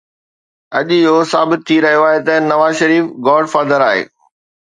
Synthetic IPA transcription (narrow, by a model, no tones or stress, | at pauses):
ɐʄjosaːbɪt̪̚tʰːiɾɐɦijoaːɦet̪ɐnɐʋaːzʃɐɾiːfɡɔːɖfaːd̪əɾaːɦḛː